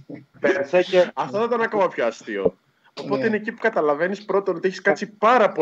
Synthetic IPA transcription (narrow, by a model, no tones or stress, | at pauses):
eeɾseeɐft̪ɐθɐt̪ɐnɐkomɐpçoɐst̪io̰ | opo̞t̪eineːcipu̥kɐt̪ɐlɐve̞nispɾo̞t̪onot̪içi̥skɐt͡sipɐɾɐpo